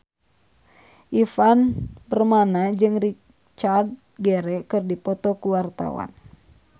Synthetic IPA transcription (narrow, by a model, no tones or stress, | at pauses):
ʔifanbərmanad͡ʒɨŋri | t͡ʃad̪̚ | ɡɛɾɛkɨrdipɔt̪ɔkuwart̪a̰wa̰n